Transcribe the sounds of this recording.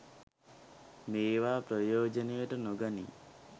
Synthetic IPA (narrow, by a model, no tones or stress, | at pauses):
meːʋaːpɾɐjoːd͡ʒɐnejɐʈɐnoɡɐnḭ